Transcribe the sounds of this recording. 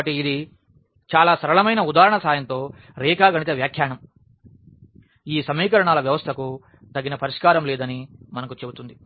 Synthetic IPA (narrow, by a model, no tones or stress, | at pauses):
ɐʈiːd̪i | t͡ʃaːlaːsɐɾɐɭɐmɐjnɐud̪aːɾɐɳɐsaːjɐnt̪o̞ː | ɾɛːkaːɡɐɳit͡ʃ̪eʋjaːkʰjaːɳɐm | iːsɐmiːkɐɾɐɳaːlɐʋjɐʋɐst̪ʰɐku | t̪ɐɡːinɐpɐɾiʂkaːɾɐmleːd̪ɐnimɐnɐkut͡ʃe̞but̪und̪i